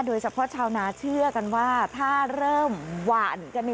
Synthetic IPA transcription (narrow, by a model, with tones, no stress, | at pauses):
doː˧jt͡ɕʰa˧pʰɔ˦˥t͡ɕʰaː˧wnaː˨˦˥t͡ɕʰɯ˥˩ɐka˧nwaː˥˩t̪ʰaː˥˩ɾɤː˥˩mwaː˨˩nka˧n˧